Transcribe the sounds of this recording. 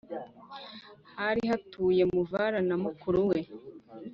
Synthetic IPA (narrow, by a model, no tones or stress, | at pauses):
haɾihatuːje̞muvaɾanamukuɾuwe̞